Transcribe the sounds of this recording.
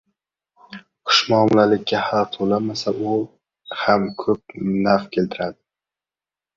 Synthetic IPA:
qʰʊ̥ʃmɒːmlalɪkʲʰːahaɾt̪ʰolamasaʊ | hamkʰɵp̚nafkʲʰe̞lt̪ʰɪɾad̪ɪ

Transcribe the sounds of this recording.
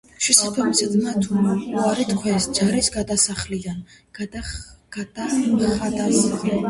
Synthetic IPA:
ʃwisapʰɛmsɛd̪mat̪ʰumauaɾit̪kʰwɛsd͡ʒaɾisɡad̪asaχlid̪an | ɡ̥ad̪̥aχad̪as

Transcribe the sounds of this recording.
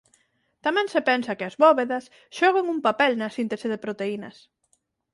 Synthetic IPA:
t̪amɛ̃ŋsepɛnsɐkeɐzβɔβeðɐs | ʃɔɣ̞eŋumpapɛlnɐsint̪eseðepɾot̪einɐ̰s

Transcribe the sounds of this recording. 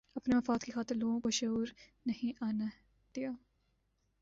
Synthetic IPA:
ɐpnemɐfaːd̪kixaːt̪ɪɾloːɡõkoʃɐuːɾnɐɦĩʔaːna | d̪̥ijaː

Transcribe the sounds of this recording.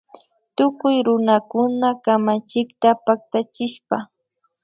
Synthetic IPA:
t̪ʊkʊjɾʊnakʊnakamat͡ʃɪk̚t̪apak̚t̪at͡ʃɪʃpa

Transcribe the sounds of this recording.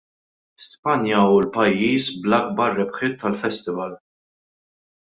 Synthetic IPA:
spɐnjɐulpɐjːiːsblɐɡ̚bɐrːɛpħɪt̪ʰːɐlfɛst̪ɪvɐl

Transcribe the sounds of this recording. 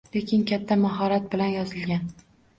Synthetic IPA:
le̞kʲɪnkʲat̪ʰːamaɦɒɾat̪̚bɪlanjɒzɪlɡʲan

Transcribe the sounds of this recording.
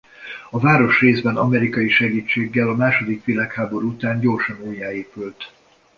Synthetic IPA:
ɒvaːɾo̞ʃreːzbɛnɒ̰mɛɾikɒjiʃɛɡiːt͡ʃːeːɡːɛlɒmaːʃo̞d̪ikʋilaːkhaːbo̞ɾuut̪aːɲɟo̞ːrʃɒnoːjːaːeːpylt̪

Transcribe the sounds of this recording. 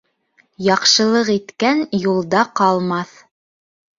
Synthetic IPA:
jɑqʃɤ̆lˠɤqit̪kænjulˠd̪ɑqɑlˠmɑθ

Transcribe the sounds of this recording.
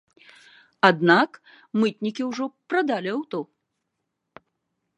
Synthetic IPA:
ad̪nak | mɨt̪̚ʲnʲikʲiwʐɔpɾad̪alʲiawt̪ɔ

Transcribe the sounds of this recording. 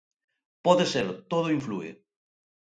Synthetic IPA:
pɔðeseɾt̪oð̞oiɱfluḛ

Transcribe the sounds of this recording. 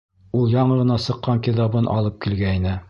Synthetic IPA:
ulˠjɑɴɤʁɤ̆nɑsɤ̆qːɑŋkiðɑbɤnʔɑ̰lˠɤp̚kilɡæinɘ

